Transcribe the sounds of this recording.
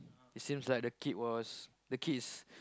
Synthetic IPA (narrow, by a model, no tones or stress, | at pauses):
itsĩmslaɪjk̚dəkʰiʔ̚wɔs | dəkʰits